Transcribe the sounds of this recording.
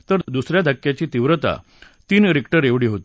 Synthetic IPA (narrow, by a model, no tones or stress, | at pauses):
t̪əɾd̪usɾjad̪ʱakjat͡ɕiːt̪iʋɾət̪a̰ | t̪iːnɾikʈəɾeʋɽiːɦot̪i